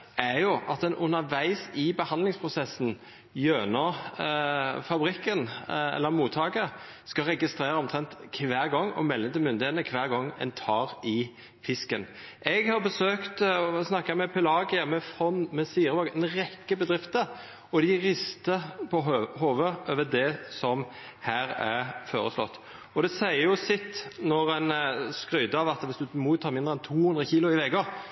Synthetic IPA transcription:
æɾjʊʔɑt̪̚d̪ɛnʔʉnːəɾʋæɪsɪbəhɑnd̪lɪŋspʰʁʊsɛsn̩ | jøːnə | fɑbɾɪkːənɛ̰lːəɾmuːt̪ʰːɑːɡə | skɑɾɛɡɪst̪ɾeːɾəɔmt̪ʰʁɛnt̪kʰʋæːʁɡɔŋːɔ̰mɛlːəd̪ɪmʏnd̪ɪheːt̪əkʰʋæːʁɡɔŋːɛ̰nt̪ʰɑːʁɪ | fɪskən | ʔɛɡhɑɾbəsøːkt̪snɑkːəmɛpʰɛlɑɡɪəmɛfɾɔnmɛsiːɾɑɡɛnʁɛkːəbəd̪ɾɪft̪əɾ | ɔd̪ɪɾɪst̪əpʰɔhoːʋəʔøːʋəd̪ɛsɔm | hæːɾæʁfoːɾə̰slɔ̰t̪ː | ɔd̪ɛsæɪəjʊsɪt̪ːnɔʁɛnskɾyʏd̪əɑʋɑt̪ʋɪsd̪ʉmut̪ʰɑːɾmɪnd̪ʁɛnt̪ʰuːhʉnd̪ʁəçiːlʊɪʋɛɡə

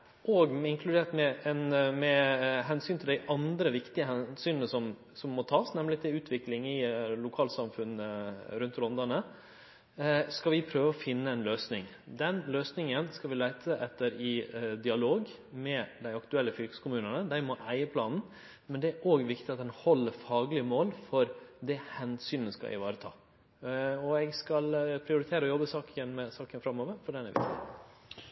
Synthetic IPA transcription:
ʔoːɡɪŋkʰlʉd̪eːʈmɛɛnmɛɦɛnsyːnt̪ʰɪld̪æɪʔɑnd̪ɾəʋɪkt̪ɪəɦɛnsyːnnəsɔm | sɔmːɔt̪ʰɑːsnɛmlɪt̪ʰɪʉːt̪ʰʋɪklɪŋɪlʊkʰɑːlsɑmfʉnɾʉnt̪ɾɔnd̪ɑnə | skɑʋɪpʰɾøːʋəɔfɪnːəɛnløːsnɪŋ | d̪ɛnløːsnɪŋənskɑʋɪlæɪt̪ʰəʔɛt̪ːəɾɪd̪ɪɑloːɡ | mɛd̪æɪɑkt̪ʉɛlːəfʏlkə̥skʊmʉːnənəd̪æɪmɔʔæɪəpʰlɑːnn̩ | mɛnd̪ɛæɾʔoːɡʋɪkt̪ɪtɑt̪̚d̪ɛnhɔlːəɾfɑːɡlɪəmoːlfɔɾd̪ɛhɛnsyːnəskɑ̰ɪ̰ʋɑːɾət̪ʰɑ̰ː | ɔɛɡskɑlpʰɾɪʊɾɪt̪ʰeːɾəɔjɔbəsɑːkənmɛsɑːkənfɾɑmːoːʋəɾfɔɖɛnɛʋɪkt̪ɪ̰

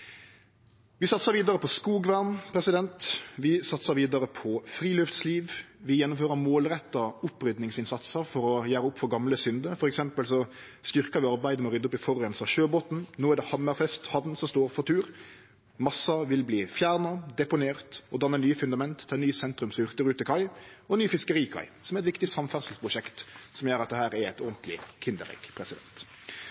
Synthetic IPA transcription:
ʋɪsɑt̪səɾʋiːd̪ɑɾəpʰɔskuːɡʋæʁnpʰɾɛsɪd̪ɛnt̪ʋɪsɑt̪səɾʋiːd̪ɑɾəpʰɔfɾiːlʉft̪sliːʋʋɪjɛnːʊmføːʁəɾmoːlʁɛt̪ːɑʊpːɾʏd̪nɪŋsɪnsɑt̪səɾfɔɾɔjæːɾəʊpːfɔɾɡɑmləsʏnd̪əfɔɾɛksɛmpəlsɔ | st̪ʏʁkɑʋɪɑɾbæɪd̪əmɛɔɾʏd̪ːʊpɪfɔʁːɛnsɑʃøːboːt̪n̩noːæʁd̪ɛhɑməɾfɛst̪hɑʋnsɔmst̪oːɾfɔt̪ʰʉːɾ | mɑsːɑʋɪlbliːfjæːɾnɑd̪ɛpʊneːʁt̪ɔd̪ɑnːənyːəfʉnd̪ɑmɛnt̪ʰːɑːnyːsɛnt̪ɾʉmsɔʏʁt̪əɾʉːt̪ɪkʰɑɪɔnyːfɪskəɾiːkʰɑ̰ɪsɔmɛæɾɛt̪ʋɪkt̪ɪsɑmfæsl̩spʰɾʊʃɛkt̪sɔmjøːɾɑt̪̚d̪ɛhæːɾɛɾɛɪt̪ɔʁnt̪ʰlɪ̰kʰɪnd̪əɾɛ̰ɡ̥pʰɾɛsɪd̪ɛ̰nt̪

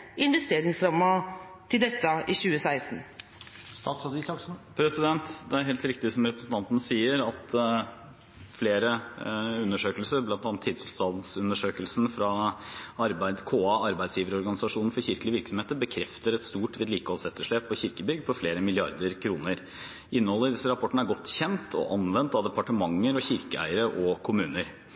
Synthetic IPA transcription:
ɪnʋɛst̪eːɾɪŋsɾɑmːɑt̪ʰɪld̪ɛt̪ːəʔɪɕʉːəsæɪst̪n̩ | st̪ɑt̪sɑd̪isɑksn̩pʰɾɛsɪd̪ɛnt̪d̪ɛæɾɦɛːlt̪ɾɪkt̪ɪsɔmɾɛpɾəsn̩t̪ʰɑnt̪ənəsiːəɾɑt̪ | fleːɾəʉnːəʂøːkəlsəɾblɑnt̪ʰɑnt̪ʰːɪːd̪t̪ʰɪlst̪ɑnsʉnəʂøːkəlsnfɾɑɑɾbæɪd̪kʰoːɑɑɾbæɪd̪sjiːʋəɾəɔɾɡɑnɪsɑʂuːnn̩fɔɾçɪɾkəlɪʋɪɾksɔmheːt̪əɾbəkʰɾɛft̪əɾɛt̪st̪uːʈʋiːd̪liːkɔlsɛt̪ːəʂɭeːpʰːɔçɪɾkəbʏɡd̪̚pʰɔfleːɾəmɪlɪɑ̰ɾd̪əɾkʰɾuːnəɾ | ɪnːəhɔlːəɪd̪ɪsːəɾɑpʰɔʈːɳ̩æɾɡɔt̪ːçɛnt̪ʰɔ̰ʔɑnʋɛnt̪ɑʋd̪ɛpɑʈəmɑŋːəɾɔçɪɾkəæ̰ɪəɾəʔɔkʰʊmʉːnəɾ

